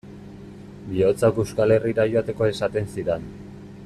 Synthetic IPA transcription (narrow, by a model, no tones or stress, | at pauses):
bio̞t͡sakewskale̞riɾajoat̪e̞ko̞e̞sat̪e̞nsiɾen